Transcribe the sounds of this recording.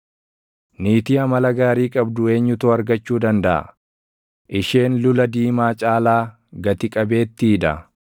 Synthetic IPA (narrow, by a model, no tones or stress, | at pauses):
niːt̪iɐmɐlɐɡaːɾiːkʼɐbd̪ʊe̞ːɲːʊt̪ʊɐɾɡɐt͡ʃːuːd̪ɐnd̪ɐʔɐ̰ | ʔɪʃe̞ːnlʊlɐd̪iːmaːt͡ʃʼaːlaː | ɡɐt̪ɪkʼɐbe̞ːt̪ːiːᶑ̪ɐ̰